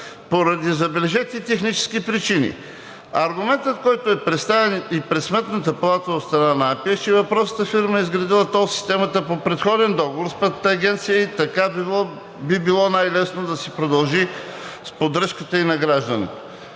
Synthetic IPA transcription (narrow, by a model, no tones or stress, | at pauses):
poɾɐd̪izɐbɛlɛʒɛt̪ʲit̪ɛxnit͡ʃɛ̥skipɾit͡ʃinḭ | ɐɾɡʊmɛnt̪ət̪kɔjt̪oɛpɾɛt̪st̪avɛnipɾɛt̪smɛt̪nət̪əpɐlˠat̪əot̪st̪ɾɐnanɐapiət͡ʃɛvɐpɾɔsət̪əfiɾməɛizɡɾɐd̪ilˠət̪ɔsi̥st̪ɛmət̪əpopɾɛt̪xɔd̪ɛnd̪ɔɡovoɾspɛt̪t̪ːɡʲɛnt̪sijəit̪ɐkab | bibilˠɔnajlɛsnod̪ɐsɛpɾod̪ɐlˠʒispod̪ɾəʃkət̪əinɐɡɾaʒd̪ənɛ̰t̪o̥